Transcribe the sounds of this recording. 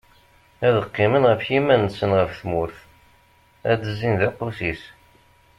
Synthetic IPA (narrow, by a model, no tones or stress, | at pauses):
æðəqːɪmənʁəfjimænsənʁəfθmʊɾθ | æd̪əzːinðæqːusis